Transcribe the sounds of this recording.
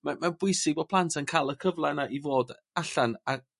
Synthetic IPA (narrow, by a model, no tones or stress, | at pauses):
mamabwʊɨsɪɡ̚bɔːd̚pʰlˠantʰankʰaːlˠəkʰəvlˠanaʔivoːd | aɬana